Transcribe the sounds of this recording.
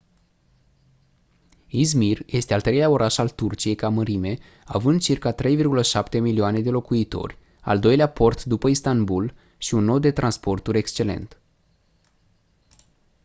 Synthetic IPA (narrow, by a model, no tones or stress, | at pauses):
izmirje̞st̪ealt̪ɾeleao̞ɾʔaʃalt̪urt͡ʃije̞jkaməɾime̞ | avɨnd̪̚t͡ʃirkat̪ɾe̞jvirɡuləʃapt̪e̞milioane̞d̪e̞lo̞kuit̪o̞̰rʲ | a̰ld̪o̞jleapo̞rt̪d̪upəist̪anbul | ʃiunːo̞t̪̚d̪e̞t̪ɾʔanspo̞rt̪uɾʲe̞kst͡ʃe̞le̞̰nt̪